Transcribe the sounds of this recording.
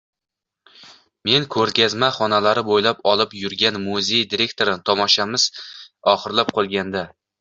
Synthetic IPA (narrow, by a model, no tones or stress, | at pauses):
me̞nkʰɵɾkʲazmaχɒnalaɾɪbojlapɒlˠɪpjʊɾɡʲanmuze̞jd̪iɾe̞k̚ʲt̪ʰoɾɪt̪ʰɒmɒʃamɪz̥ɒχɨɾlap̚qʰolˠɡʲand̪a